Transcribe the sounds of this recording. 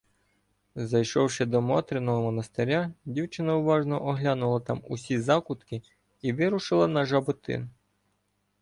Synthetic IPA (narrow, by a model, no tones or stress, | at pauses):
zɐjʃɔwʃɛd̪ɔmɔt̪ɾʲɪnɔɦɔmɔnɐst̪eɾʲadʲiwt͡ʃɪnɐʊʋɑʒnɔʔɔɦlʲɑnʊlˠɐt̪ɑmusʲizɑkʊt̪kɪ | iʋɪɾʊʃɪlˠɐnɐʒɐbʊt̪ɪ̰n